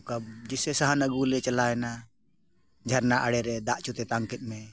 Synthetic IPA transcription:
kab̚d͡ʒɛsɛsaɦanəɡulɛt͡ʃalaɛna | d͡ʒʱaɾnaʔaɽɛɾɛd̪aʔt͡ʃut̪ɛt̪aŋkɛt̪̚ˀmɛ

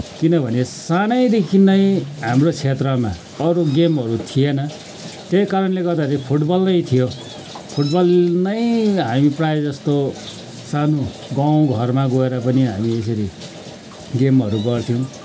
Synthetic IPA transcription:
kinʌbʱʌnesanʌjd̪ekʰinʌjɦamrot͡sʰet̪rʌma | ʌɾoɡemɦʌɾut̪ʰijenʌ | t̪ejkaɾʌnleɡʌrd̪aɾipʰuʈbʌlnʌj̃t̪ʰijo | pʰuʈbʌlnʌjɦamipraed͡zʌst̪o | sano | ɡaw̃ɡʱʌrmaɡoeɾʌpʌniɦa̰mies̬ʌɾi | ɡemʌɾuɡʌrt̪ʰiw̃

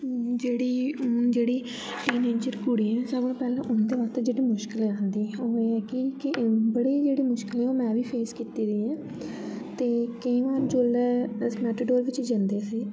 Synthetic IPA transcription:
d͡ʒeːɽiːd͡ʒeːɽiː | ʈiːneːd͡ʒəɾkʊɽiːɛ̃ːsəbãːpɛːlɛ̃ːʔʊnd̪eːʋət̪d͡ʒeːɽiːmʊʃkɪlɛ̃ãːnd̪iːoːeːɛːkɪkbəɽiːd͡ʒeːɽiːmʊʃkɪlɛ̃oːmɛ̃ːʋiːpʰeːskiːt̪iːd̪iːɛ̃ː | t̪eːkəĩːʋaːnd͡ʒoːlːsmɛːʈəɖoːɾʋɪt͡ʃd͡ʒənd̪eːsiː

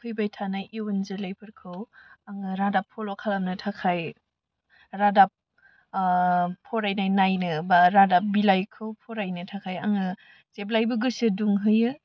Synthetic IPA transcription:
pʰɯjbajtʰanajʔiwunzɯlajpʰɯɾkʰɯwaŋɯɾadapʰːɔlokʰalamnɯtʰakʰaj | ɾadap̚ | ɔɾajnajnajnɯbaɾadap̚bilajkʰɯwpʰɔɾajnɯtʰakʰajaŋɯ | zeblajbɯɡɯsɯduŋɦɯjɯ

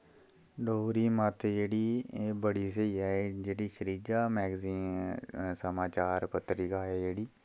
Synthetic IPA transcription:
ɖoːɾiːmaːt̪ed͡ʒeːɽiːebəɽiːs̬əiːɛd͡ʒeːɽiːʃʰəɾiːd͡ʒaːmɛːɡziː | səmaːt͡ʃaːɾpət̪ɾiːkaːeːd͡ʒeːɽiː

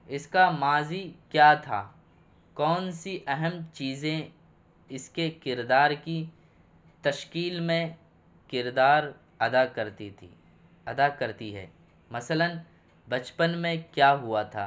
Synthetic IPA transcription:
ɪskamaːzikjaːt̪ʰa̰ː | kɔːnsiʔɛɦɛmt͡ʃiːzẽ | ɪskekɪɾd̪aːɾki | t̪ɐʃkiːlmẽ | kɪɾd̪aːɾ | ɐd̪akɐɾt̪it̪ʰi | ɐd̪akɐɾt̪iɦɛ̰ː | mɐsələn | bɐt͡ʃpənmẽkjaːɦʊat̪ʰa̰ː

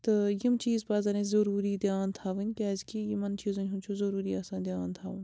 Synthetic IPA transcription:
t̪ɨjimt͡ʃiːzpaːzɐnẽzɐɾuːɾiːd̪jaːnt̪ʰaːʋɨnʲkʲaːzkijimɐnt͡ʃiːzunʲɦumt͡ʃʰuzɐɾuːɾiːaːsãːnd̪jaːnt̪ʰaːʋunʲ

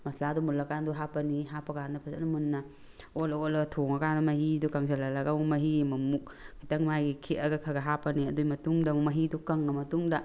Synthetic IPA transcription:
mɐsladumulɐkanduɦapɐniɦapɐkandɐpʰɐzanɐmunːɐ | oloolɐɡtʰoŋɐkandɐmɐɦidukaŋsɐlɐlɐɡaumɐɦimɐmuk̚ | kʰitɐŋmajɡikʰiʔɐɡɐkʰɐɡɐɦapɐniɐdujmɐtuŋdɐmumɐɦidukɐŋːɐmɐtuŋdɐ

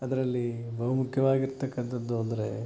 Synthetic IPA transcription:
ɐd̪ɐɾɐlːibʱɐɦɐmukʰjɐʋaːɡiɾt̪ɐkːɐnt̪ʰɐd̪ːuɐnd̪ɐɾe

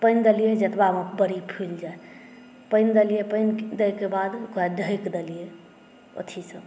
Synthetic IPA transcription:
pəɪnd̪əlijed͡ʒət̪baməkbəɾipʰild͡ʒae | pəjnd̪əlijepənd̪əjkebad̪kad̪ʱəjkd̪elije | o̰t̪ʰisə̃

